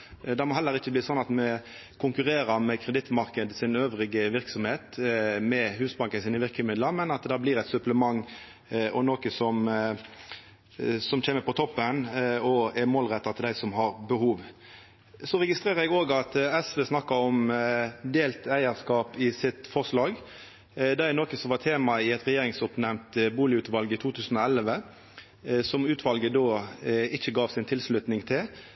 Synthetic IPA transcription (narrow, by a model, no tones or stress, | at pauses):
d̪ɛɪmɔɦɛlːəɾɪçːəbliːsɔnːɑt̪mɛ | kʰʊŋkʉɾeːɾəmɛkʰɾɛd̪ɪt̪ːmɑʁkəd̪sɪnøːʋʁɪɡəʋɪʁksɔmheːt̪mɛhʉːsbɑŋkənsiːnəʋɪʁkəmɪd̪ləɾmɛnɑt̪d̪ɑːbliːɾɛt̪sɵpləmɑŋː | ɔnoːkəsɔm | sɔmc͡çʰeːməpʰɔt̪ʰɔpːənɔæmoːlʁɛt̪ːɑt̪ʰɪld̪æɪsɔmɦɑʁbəhuːʋ | sɔɾɛɡɪst̪ʁeːʁəɛɡoːɡɑt̪ɛsʋeːsnɑkːɑɔmd̪eːlt̪æɪəʁskɑːpɪsɪt̪fɔʁslɑːɡ | d̪æænoːkəsɔmʋɑʁt̪ʰeːmɑɪɛt̪ʁɛjeːɾɪŋsʊpnæmt̪buːlɪʉːt̪ʋɑlɡəɪt̪ʰuːt̪ʰʉːsən̩ɔɛlʋə | sɔmʉːt̪ʰʋɑlɡəd̪oːɪçəɡɑːʋsɪnt̪ʰɪlslʉt̪nɪŋt̪ʰɪl